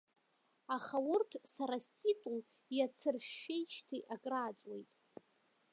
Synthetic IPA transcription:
aχaʊrtʰsaɾastʰʼitʼul | jat͡sʰɨrʃːejt͡ʃʰtʰiʔakʼraːt͡sʼwe̞jtʼ

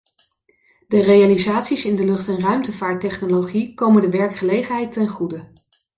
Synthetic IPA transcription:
dərejalizaːtsisɪndəlɵχtɛnrœɥmtəvaːɹtɛχnoloχikowməndəʋɛɹkχəlejχənɦɛjtɛnχudə

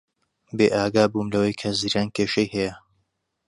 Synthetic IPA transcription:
beːʔaːɡaːbuːmlɐwɐjkʰɐziːɾaːnkʰeːʃɐjhɛjɐ

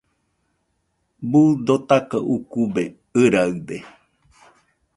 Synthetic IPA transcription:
bud̪ot̪akaʔukube | ɨɾaɨd̪e

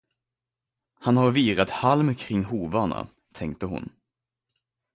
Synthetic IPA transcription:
hanhaɾviːɾat̪halmkʰɾɪŋːɦuːvaɳa̰ | t̪ʰɛŋk̚t̪əɦʊ̰n

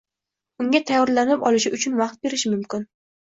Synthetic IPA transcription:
ʊŋɡʲat̪ʰajɒɾlanɪpɒlˠɪʃɪʊt͡ʃʰʊnvaqt̪̚be̞ɾɪʃɪmʊmkʲɪn

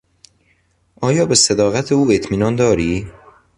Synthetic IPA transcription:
ʔɒːjɒːbe̞sed̪ɒːɣæt̪ʰeuːe̞t̪ʰmiːnɒnd̪ɒːɾiː

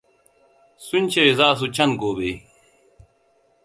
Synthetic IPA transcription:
sunt͡ɕʰewezaːs̬ut͡ɕʰɐnɡoːbe

